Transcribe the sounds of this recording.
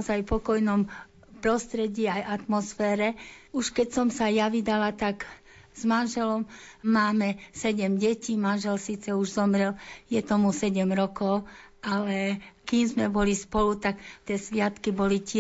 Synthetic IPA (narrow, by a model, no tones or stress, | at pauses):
ɔzajpɔkɔjnɔm | pɾɔst̪ɾɛɟɪːajat̪mɔsfɛːɾɛuʃkɛcsɔmsajaʋid̪alat̪aɡ | z̥manʒɛlɔmmaːmɛsɛɟɛmɟɛciːmanʒɛlsiːt͡sɛuʒzɔmɾɛljɛt̪ɔmusɛɟɛmɾɔkɔʊʔalɛkiːmzmɛbɔlispɔlut̪akt̪ɛsʋɪat̪kibɔlic